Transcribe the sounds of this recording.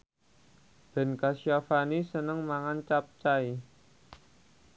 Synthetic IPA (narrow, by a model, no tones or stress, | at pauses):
b̥ɛ̤nkasiafanisənəŋmaŋant͡ʃap̚t͡ʃai